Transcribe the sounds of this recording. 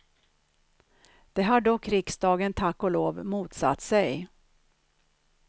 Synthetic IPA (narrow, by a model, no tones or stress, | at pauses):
d̪̥ɛɦaɖɔkːɾɪksd̪ɑːɡənt̪ʰakːɔloːvmuːt̪sa̰t̪ːsɛj